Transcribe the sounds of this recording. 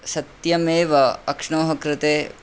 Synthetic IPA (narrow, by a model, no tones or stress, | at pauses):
sɐt̪jɐmeːʋɐɐkʂɳoːɦɐkɾɪt̪eː